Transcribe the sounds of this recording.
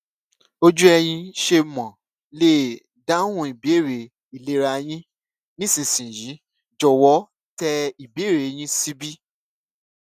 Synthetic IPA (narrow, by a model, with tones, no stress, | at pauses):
o˦d͡ʒu˦ɛ˧j̃ĩ˧ʃe˧mɔ̃˨ | le˦˨ | da˦hũ˦i˨be˨˦e˦˨ɾe˨ | i˨le˦ɾa˧j̃ĩ˦ | nĩ˦sĩ˨sĩ˨jĩ˨˦ | d͡ʒɔ˨wɔ˨˦ | tɛ˧i˨be˨˦˨ɾe˨˦j̃ĩ˦si˦bi˦